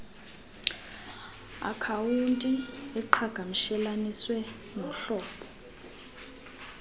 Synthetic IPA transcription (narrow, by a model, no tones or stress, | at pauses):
a̰kʰawuntʼiɛǃʰaɡ̥ʱamiʃɛlaniswɛ | nɔm̩ɬɔːpʰɔ̥